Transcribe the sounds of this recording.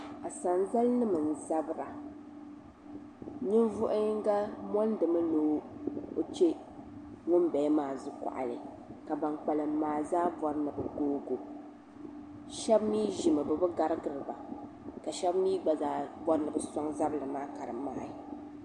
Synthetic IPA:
a˨sa˨n˦za˦lnɨ˦mɨ˨n̩˨za˦bɨ˨˦ɾa˨ | ɲɨ˦nvʊ˦ʔʊ˦ŋ˦ɡa˦mɔ˦ndɨ˨mɨ˦lo˨˦o˦t͡ʃe˦ | ŋʊ˦n˦bɛ˨˦maː˨zʊ˦ka̰˨ʔa̰˨lɨ˨ | ka˨ba˨nk͡pa˨lɨ˨maː˨zaː˦vɔ˨ɾɨ˦nɨ˨bɨ˨ɡoː˦ɡo˨ | ʃɛ˦bmiː˦ʒi˨mɨ˨bɨ˨bɨ˦ɡa˦ɾɨ˦ɡɨ˨ɾɨ˨ba˨ | ka˨ʃɛ˦bmiː˦ɡ͡ba˨zaː˦bɔ˦ɾɨ˦nɨ˨bɨ˨sɔ˦ŋza˦blɨ˨maː˦ka˨ɾɨ̰˨ma̰ː˦˨i˨

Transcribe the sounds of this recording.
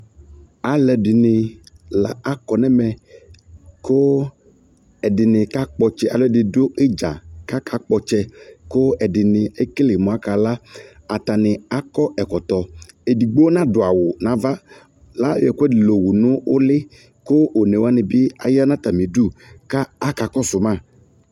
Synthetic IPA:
a˨lɛ˨dɪ˨nɪ˨la̰˨a˦kɔ˨nɛ˦mɛ˨ | kʰo˦ | ɛ˨dɪ˨nɪ˨ka˦k͡pɔ˨t͡ʃɛ˦ʔa˨lɛ˨dɪ˨dʊ˦ɪ˦d͡ʒa̰˨ka˦kʰa˦k͡pɔ˨t͡ʃɛ˦kʊ˦ɛ˨dɪ˨nɪ˨ɛ˦klɪ˨mɔ̃˨a˦ka˨la˦a˨t̪a˨nɪ˨a˦kɔ˦ɛ˨kɔ˨t̪ɔ˨ | e˨di˨ɡ͡bo˦nã˦dʊ˨a˨wʊ˨nã˨˦va˦ | la˦˨ɛ˨kɛ˦dɪ˨lo˨wu˨nʊ̃˦ʊ˦lɪ˦ | kʊ˦ʔo˨ne˨wa˦nɪ˨bɪ˦a̰˨ja˦nã˦t̪a˨mi˨du˦˨ka˦a˦ka˨kɔ˦sʊ˨mã˦˨

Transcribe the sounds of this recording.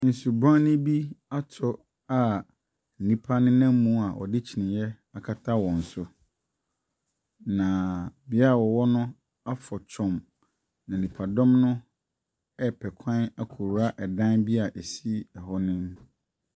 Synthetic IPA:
n̩˨su˨bã˦nɪ̃˦bi˦a˦tʰɔ˨ | a˨ | n̩˨nĩ˦pʰa˦nɪ̃˦nã˦m˦mũ˦a˨ʔɔ̰˨dɪ˦t͡ɕʰi˨nɪ̃˨jɛ˦ | a˨kʰa˦tʰa˦wɔ̃˨n̩˨sʊ˦ | nã˨bɪ˨˦a˦˨wɔ˨wɔ˦nʊ̃˦ | a˦fɔ˨t͡ɕʰɔ̃˨m | nã˨nĩ˨pʰa˨dɔ̃˦mnʊ̃˦ | ɛ˦pʰɛ˨kʷʰã˦na˦kʰo˨ɾu˦a˦ʔɛ˨dã˦nbi˦a˨ʔe˨si˦ɛ˨hɔ˦nɪ̃˦m

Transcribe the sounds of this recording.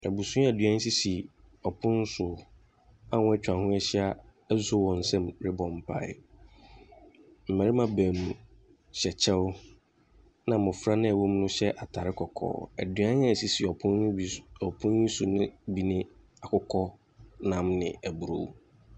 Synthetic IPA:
æ˨bu˨sũ˦æ˨dɥã˦n̩˦si˦si˨ | ɔ˨pʰʊ̃˦n̩˦sʊ˨˦ | a˦˨wʊ̃˦ɛ˦t͡ɕᶣã˨hʊ̃˦ɛ˦ɕɪ˦a˦ | ɛ˦ssʊ˦wɔ̃˨n̩˨sɛ̃˦mɾɪ˦bɔ̃˨m˨pʰa̰˦˨ɪ˦˨ | m̩˨mɛ̃˨ɾɪ˦mã˨bɛ̃˨m˨ | ɕɛ˨t͡ɕʰɛ˦wʊ˦ | nã˨mʊ̃˨fɾa˦nɪ̃˦ɛ˨wʊ˦m˦nʊ̃˦ɕɛ˦ʔa˨tʰa˨ɾɪ˦kʰɔ˨kʰɔ̰ː˨˦æ̰˨dɥã˦n˦a˦˨si˦si˨ɔ˨pʰʊ̃˦n˦˨ɔ˨pʰʊ̃˦n˦ĩ˦su˨nɪ̃˦bi˨nɪ̃˦ | a˨kʰʊ˦kʰɔ˦ | nã˨mnɪ̰̃˨æ˨bu˨ɾo̰˨w

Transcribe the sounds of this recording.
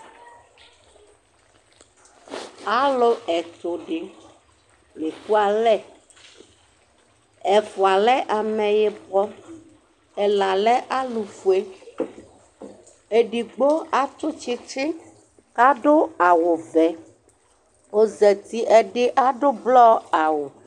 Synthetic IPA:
a˦lo˦ɛ˨t̪o˨ɖe˨ | me˨ku˦a˨lɛ˦˨ | ɛ˨fo˨a˨lɛ˦ʔa˨mɛ̃˨jɛ˨bɔ˦ | ɛ˨la˨lɛ˦ʔa˦lu˨fu˨e˦ | e˨ɖi˨ɡ͡bo˦a˦t̪o˦t͡ɕi˦t͡ʃi˦ | ka˦ɖo˦a˨wo˨vɛ˨ | wo˦zɛ˨t̪i˦ʔɛ˨ɖe˦ʔa˦ɖo˦blɔ˦a˨wo˨

